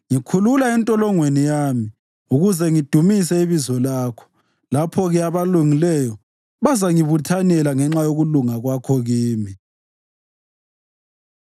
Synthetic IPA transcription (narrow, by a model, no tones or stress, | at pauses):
ŋikʰululaɛntʼɔlɔŋwenijaːmi | uɣuzɛŋid̥ʱumis̬ɛiβizɔlaːkʰɔ̥ | lapʰɔɣɛaβaluŋilɛjɔ | βazaŋiβutʰanɛlaŋɛŋ͡ǁajoɣuluŋaɣwakʰɔɣiːmi